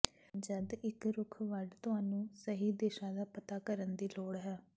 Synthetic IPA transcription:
d͡ʒəd̪ɪkɾʊkʰʋəɖt̪ʊɦaːnũːsəɦiːd̪eːʃãːd̪aːpət̪aːkəɾənd̪iːloːɽɦɛː

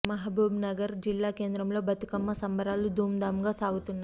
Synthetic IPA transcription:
mɐɦɐbʱuːbnɐɡɐɾd͡ʒilːaːke̞ːnd̪ɾɐmlo̞ːbɐt̪ukɐmːɐsɐmbɐɾaːlud̪ʱuːmd̪aːmɡaːsaːɡut̪unːa

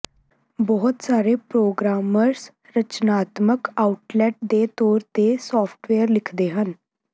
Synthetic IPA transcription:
bɔːʊt̪saːɾeːpɾoːɡɾaːməɾs | ɾət͡ʃnaːt̪məkaːʊʈlɛːʈ̚d̪eːt̪ɔːɾt̪eːsɔːpʰʈʋeːəɾlɪkʰd̪eːɦən

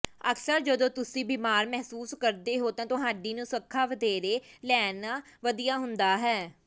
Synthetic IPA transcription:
əksəɾd͡ʒəd̪õːt̪ʊsĩːbiːmaːɾmɛɦsuːskəɾd̪eːɦoːt̪ãːt̪ʊɦaːɖiːnũːsəkʰːaːʋəd̪eːɾeːlɛːnaː | ʋəd̪ijaːɦʊnd̪aːɦɛː

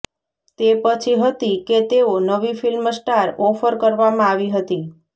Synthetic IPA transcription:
t̪epət͡ʃʰiɦət̪iket̪eonəʋifilmsʈaɾɔfəɾkəɾʋamãaʋiɦət̪i

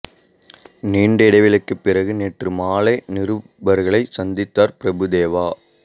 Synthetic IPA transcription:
niːɳɖɐɪɽɐɪʋɪɭɯkːɯpːɪrɐɣɯneːʈrɯmaːlɐɪnɪɾɯ | bɐɾɣɐɭɐɪsɐnd̪ɪt̪ːaːɾpɪɾɐbɯd̪eːʋaː

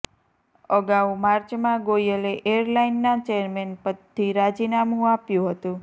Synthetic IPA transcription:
əɡawmaɾt͡ʃmãɡojəleʔeəɾlainːat͡ʃeəɾmenpəd̪ʰiɾad͡ʒinamũapjũɦət̪ũ

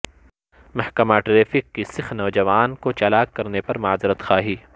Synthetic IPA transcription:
mɐhkɐmaːʈɾeːfɪkːisɪxnɐːd͡ʒɐʋaːnkot͡ʃɐlaːkkɐɾnepɐɾmaːzɾət̪xaːɦiː

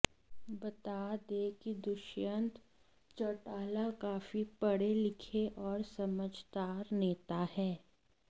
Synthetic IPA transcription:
bɐt̪aːd̪ekid̪ʊʃjə̃nt̪ | t͡ʃɐʈaːlakaːfipɐɽelɪkʰeʔɔːɾsɐməd͡ʒʱd̪aːɾneːt̪ahɛː

